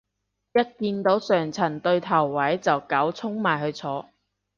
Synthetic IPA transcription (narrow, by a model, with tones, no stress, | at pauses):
jɐ˥t̚kiː˧nt̪o˨˥wsœː˨˩ŋt͡sʰɐ˨˩nt̪ɵ˧ɥt̪ʰɐ˨˩wːɐ˨˥jt͡sɐ˨wkɐ˨˥wt͡sʰʊ˥ŋmaː˨jɦɵ˨˧t͡sʰɔː˨˥